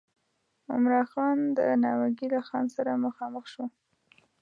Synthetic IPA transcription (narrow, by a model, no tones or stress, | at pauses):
ʊ̰mɾɑxɑnd̪ənɑwaɡilaxɑnsaɾaməxɑməxʃo